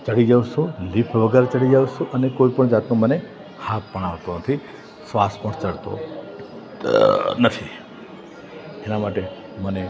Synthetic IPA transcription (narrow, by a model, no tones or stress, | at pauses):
t͡ʃəɽid͡ʒaʋʃũlipʰʋəɡəɾet͡ʃəɽid͡ʒaʋʃũʔənekoipəɳd͡ʒat̪nũməne | hat̪̚pəɽ̃aʋt̪onət̪ʰi | sʋaspəɳt͡ʃəɭt̪o̰ | nət̪ʰi | enamaʈe | məne